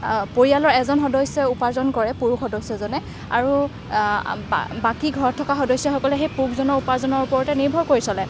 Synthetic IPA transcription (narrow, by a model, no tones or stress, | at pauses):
poɹijalɔɹɛzɔnxɔdɔjsɔupazɔnkɔɹɛpuɹuxɔdɔjsɔzɔnɛ | a̰ɹu | bakiɡʱɔɹɔtʰːɔkaxɔdɔjsjɔxɔkɔlɛxejpukʰzɔnɔɹupazɔnɔɹupɔɹɔtɛniɹbʱɔɹkoɹisɔlɛ